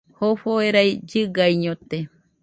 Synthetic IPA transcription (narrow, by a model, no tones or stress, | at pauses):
hoɸoeɾajd͡ʒɨɡajɲot̪e